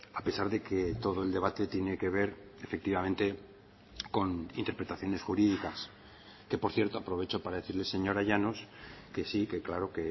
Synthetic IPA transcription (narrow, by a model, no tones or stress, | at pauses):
ape̞saɾðe̞ket̪o̞ðo̞eld̪e̞β̞at̪e̞t̪je̞ne̞ke̞βe̞ɾ | efek̚t̪iβamẽnt̪e̞ | ko̞nḭnt̪epɾe̞t̪aθjo̞ne̞sxuɾiðikas | ke̞po̞ɾθje̞ɾt̪o̞apɾo̞β̞e̞t͡ʃo̞paɾaðe̞θiɾlese̞ɲo̞ɾaʝanoskesike̞klaɾo̞ke̞